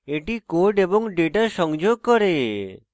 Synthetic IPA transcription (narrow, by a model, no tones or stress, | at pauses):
eʈikoɾɖeboŋɖeʈaʃɔŋd͡ʒoɡ̚kɔɾe